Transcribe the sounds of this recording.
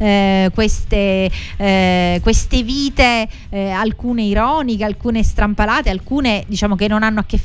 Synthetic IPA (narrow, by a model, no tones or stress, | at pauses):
kwest̪e | kwest̪eviːt̪e | alkuːneiɾɔːnikealkuːnest̪ɾampalaːt̪ealkuːned̪it͡ʃaːmok̟enːonanːoakːef